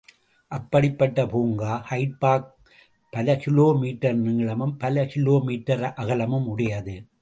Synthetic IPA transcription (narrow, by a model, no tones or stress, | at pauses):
ʔɐpːɐɽɪpːɐʈːɐpuːŋɡaːhɐɪʈ̚paːk̚ | pɐlɐkɪloːmiːʈːɐɾnɪŋɡɭɐmɯmpɐlɐkɪloːmiːʈːɐɾʔɐɣɐlɐmɯmʊɽɐjɐðɯ